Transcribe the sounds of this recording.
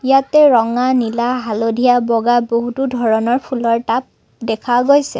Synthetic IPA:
jatɛɹɔŋanilaɦalodʱijabɔɡaboɦutudʱɔɹɔnɔɹpʰulɔɹtap̚ | dɛkʰaɡojsɛ̰

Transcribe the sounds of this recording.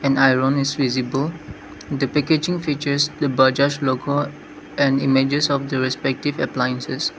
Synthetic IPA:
ɛ̃najɹõnisvizibəl | d̪əpɛked͡ʒɪ̃ŋfit͡ʃəsdəbad͡ʒaʃlokə | ɛ̃nimed͡ʒəsɔfdəɹɛspɛk̚tivəplajə̃nsəs

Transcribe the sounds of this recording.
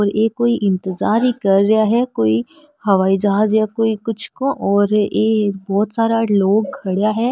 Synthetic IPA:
ɔːɾjeːkoːiʔɪ̃nt̪əzaːɾɦikɐɾːɐjaɦɛkoːi | hɐʋaːid͡ʒɐɦaːzjakoːikʊt͡ʃʰkõʔɔːɾeːbɔːt̪saːɾaloːɡ̚kʰɐɽjaɦɛː

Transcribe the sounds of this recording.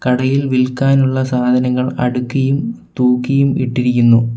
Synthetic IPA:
kɐɽɐjilʋilkːaːnuɭːɐsaːd̪ʱɐnɐŋːɐɭɐ̰ɽukːɐjumt̪uːkːɐjumḭʈːiɾikʲːunːu

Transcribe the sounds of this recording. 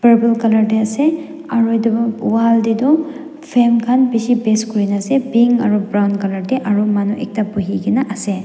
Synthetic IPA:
pɐɾbɐlkɐlɐɾdeɐse | ɐɾojdɐbɐwaldidɔ | pʰemkʰanpisipeskuɾinɐsebiŋɐɾubɾawnkɐlɐɾdeʔɐɾumanuʔek̚tapuɦiɡinaʔɐse

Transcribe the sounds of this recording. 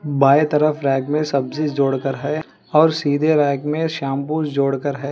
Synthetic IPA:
baːet̪ɐɾəfɾɛːkmẽsɐbzɪd͡ʒoːɽkəɾɦɛː | ɔːɾsiːd̪ʱeɾɛːkmẽʃaːmpuːsd͡ʒoːɽkəɾɦɛː

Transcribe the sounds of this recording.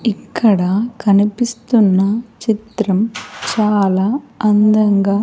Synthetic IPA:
ikːɐɽɐkʰɐnipist̪unːɐt͡ʃit̪ɾɐmt͡ʃaːlaːɐnd̪ɐŋɡaː

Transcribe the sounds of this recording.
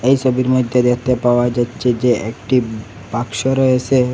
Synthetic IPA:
ejsɔbiɾmɔd̪ʱjed̪et̪epaoad͡ʒatːɕʰed͡ʑeʔekʈi | bakʃoɾɔet͡ɕʰe

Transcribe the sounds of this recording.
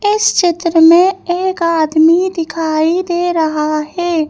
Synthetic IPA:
ɪst͡ʃɪt̪ɾəmẽeːkaːd̪mid̪ɪkʰaːid̪eːɾəɦaɦɛː

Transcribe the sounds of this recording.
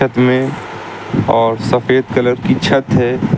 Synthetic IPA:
ɐt̪mẽ | ɔːɾsɐfeːd̪kɐləɾkit͡ʃʰɐt̪ɦɛː

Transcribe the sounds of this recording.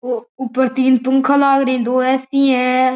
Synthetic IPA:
oːʊpːəɾt̪iːnpəŋkʰalaːɡɾẽːd̪oːɛːsĩːɛ̃ː

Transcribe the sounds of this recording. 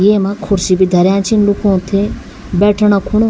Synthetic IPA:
jeːmãkʰʊɾsibid̪ʱɐɾjãːt͡ʃʰinlukʰõːt̪ʰe | bɛːʈʰɳakʰuɳo

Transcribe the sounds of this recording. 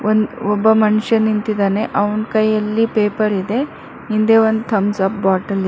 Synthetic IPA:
ond̪ɔbːɐmɐnʃɐnint̪id̪aːne̞ʔɐʋɐnkɐjɐlːipeːpɐɾid̪e̞ | ɦind̪e̞ʋond̪t̪ʰɐmsɐp̚baːʈɐli

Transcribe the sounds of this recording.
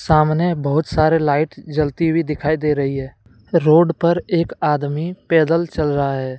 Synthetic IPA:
saːmnebəɦʊt̪saːɾelaːɪʈd͡ʒəlt̪ibʱid̪ɪkʰaːid̪eːɾəɦiɦɛː | ɾoːɖpəɾeːkaːd̪mipɛːd̪əlt͡ʃəlɾəaɦɛː

